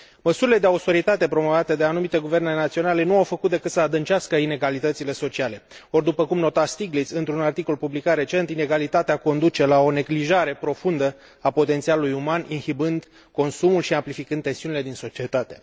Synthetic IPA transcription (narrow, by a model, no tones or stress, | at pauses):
məsuɾile̞d̪e̞aust̪o̞ɾit̪at̪e̞pɾo̞mo̞vat̪e̞d̪e̞anumit̪e̞ɡuvernenat̪sio̞nale̞nuawfəkut̪̚d̪e̞kɨt̪səad̪ɨnt͡ʃaskəine̞ɡalit̪ət̪sile̞so̞t͡ʃiale̞ | o̞rd̪upəkumno̞t̪ast̪iɡlit̪sɨnt̪ɾunart̪iko̞lpublikat̪ɾe̞t͡ʃe̞nt̪ine̞ɡalit̪at̪eako̞nd̪ut͡ʃe̞lao̞ne̞ɡliʒaɾe̞pɾo̞fund̪ə | apo̞t̪e̞nt̪sialulujumaninhibɨnd̪ | ko̞nsumulʃiamplifikɨnd̪e̞nsiunile̞d̪inso̞t͡ʃie̞t̪at̪e̞